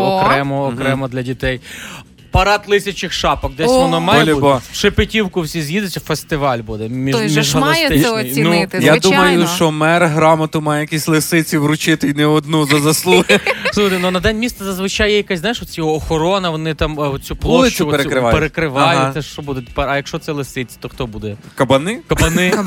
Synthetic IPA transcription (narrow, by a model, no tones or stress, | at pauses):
ɔkɾɛmɔːkɾɛmɔd̪lʲɐdʲit̪ɛj | pɐɾɑt̪lˠɪsʲɐt͡ʃɪxʃɑpɔk̚d̪ɛsʲɔnɔmɛlʲibɔʃɪpɪtʲiwkʊwsʲizʲjid̪ʊt͡sʲːɐfest̪ɪʋɑlʲbud̪ɛmʲimʲiʒɐlˠɐst̪ɪt͡ʃnijnujad̪umɐjʊʃt͡ʃɔmɛrɦɾɑmɐt̪ʊmɑjɛjɐkʲisʲlˠɪsɪt͡sʲiʋɾʊt͡ʃɪt̪ɪinɛɔd̪̚nuzɐzɐslˠujɛsuxt̪ɛnɔnɐd̪ɛnʲmʲist̪ɐzɐzʋɪt͡ʃɑjɛjɐkasʲznajɪʃɔt̪sʲjɔɦɔːxɔɾɔnɐʋɔnɪt̪ɑmɔt͡sʲuplˠɔlˠɪʃt͡ʃʲt͡sʲʊɔeɾɾɪapeɾekɾɪʋɑj̪ɛʃɔbud̪ɛt̪e̥pɛɾɐjɐkʃt͡ʃɔt̪sɛlˠesɪt͡sʲi̥t̪ɔxt̪ɔbud̪ɛkɐbɐnɪkɐbɐnɪ